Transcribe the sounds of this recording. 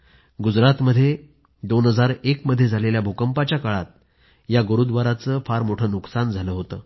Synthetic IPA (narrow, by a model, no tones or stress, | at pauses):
ɡud͡zɾat̪məd̪ʱːje | d̪onɦəd͡zaɾekməd̪ʱːjed͡zʱaleljabʱukəmpat͡ɕjakaɭa̰t̪̚ | jaɡəɾud̪ʋaɾat͡səːfaɾmoʈʰəːnuksand͡zʱaləɦot̪əː